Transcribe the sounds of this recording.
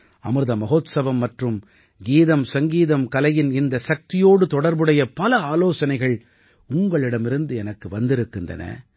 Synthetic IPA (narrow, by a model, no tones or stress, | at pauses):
ɐ̰mɯɾɯðɐmɐɣoːt̪sɐʋɐmːɐʈrɯm | ɡiːðɐmsɐŋɡiːðɐmkɐlɐjɪnɪnd̪ɐsɐk̚t̪ɪjoːɽɯt̪ɔɽɐɾbɯɽɐjɐpɐlɐaːloːsɐnɐɪɣɐɭ | ʊŋɡɐɭɪɽɐmɪɾɯnd̪ɯɛnɐkːɯʋɐnd̪ɪɾɯkːɯndrɐ̰nɐ̰